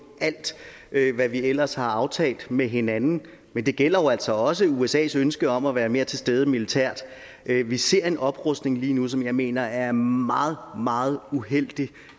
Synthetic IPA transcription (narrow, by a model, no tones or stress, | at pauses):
æl̰d̥ | ʔøʋæʋiel̰ɐshɑ̈ɑ̈ʊt͡sʰɛ̰ːld̥meɦe̝nænn̩ | mend̥e̝ɡ̥el̰ɐjoæl̰sɒ̽ɒ̽s̬əuesɛ̰ːsønsɡ̥əɒ̽mæʋæːɐme̝ːɐt͡sʰe̝sd̥eð̞ˠəmilit͡sʰæɐ̰d̥ | ʔʋise̝ɐ̰e̝nɒ̽b̥ʁɔsd̥ne̝ŋliːnus̬ɒ̽mjɑ̈ɪme̝̰ːnɐæɐmɑ̈ːð̞̩ˠmɑ̈ːð̞̩ˠuɦel̰d̥i